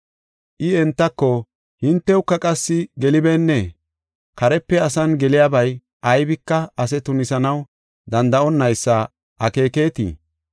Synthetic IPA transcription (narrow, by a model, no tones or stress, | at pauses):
ʔɪɛnt̪ːɐkːɔ | hɪnt̪ːɛwkːɐkʼɐsːɪɡɛlɪbenːɛ | kɐɾɛpːɛɐsɐnɡɛlɪjaːbɐj | ʔɐjbɪkːɐɐs̬ɛt̪ʊnɪsɐnɐw | d̪ɐnd̪ɐɔnːɐjsːɐ | ʔɐke̞ːkeːt̪ḭː